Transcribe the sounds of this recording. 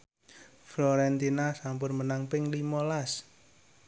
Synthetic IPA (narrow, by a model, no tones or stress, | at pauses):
flɔɾɛnt̪inasampʊnmənaŋpɪŋlimɔlas